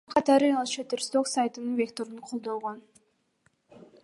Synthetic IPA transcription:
qʰɑt̪ɑɾɯɑlˠt͡ʃet̪eɾst̪oksajt̪ɯnɯnvʲe̞kt̪o̞ɾɯɴqʰo̞lˠd̪o̞lˠʁon

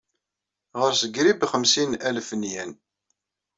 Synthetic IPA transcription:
ʁəɾsəɡɾibχəmsinælfənjæn

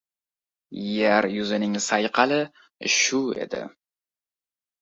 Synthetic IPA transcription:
jaɾjʊzɪnɪŋsajqʰɑlɪ | ʃʊe̞̰d̪ɪ̰

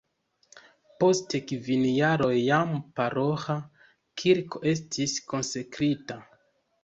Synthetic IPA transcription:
po̞stekvinjaɾo̞jːampaɾo̞xa | kʰiɾko̞ʔe̞s̬tʰisko̞nsekɾita

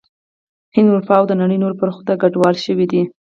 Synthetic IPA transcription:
hɪnd̪ʊɾfɑwd̪ənaɽəjnoɾpəɾxd̪aɡaɖwɑlʃəwid̪i

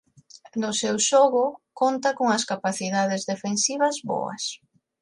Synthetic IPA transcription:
nʊsewʃoɣʊkont̪akoŋɐskapaθiðað̞ezðefensiβ̞ɐzβo̰ɐ̰s

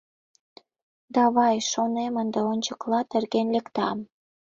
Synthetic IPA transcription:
d̪ɑβɑjʃonemənd̪eonʲt͡ɕəklɑt̪ĕrɣenlekt̪ɑm

